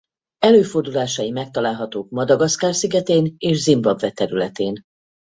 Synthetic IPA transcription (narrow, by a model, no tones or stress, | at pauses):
ɛløːfo̞rd̪ulaːʃɒjimɛk̚t̪ɒlaːlɦɒt̪oːk̚mɒd̪ɒɡɒskaːrsiɡɛt̪eːneːʃzimbɒbvɛt̪ɛɾylɛt̪eːn